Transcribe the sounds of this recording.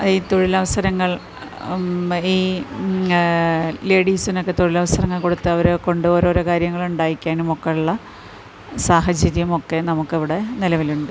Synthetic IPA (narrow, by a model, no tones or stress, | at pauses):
ɐðiːt̪oɻilɐʋɐsɐɾɐŋːɐɭ | iː | le̞ːɽiːsino̞kːe̞t̪oɻilɐʋɐsɐɾɐŋːɐɭko̞ɽut̪ːɨɐʋɐɾko̞ɳɖuboːɾoɾukaːɾjɐŋːɐɭuɳɖaːjikʲːaːnumo̞kːeuɭːɐ | saːɦɐd͡ʑjɐɾjɐmo̞kːe̞nɐmukːeʋiɽe̞nilɐʋiluɳɖɨ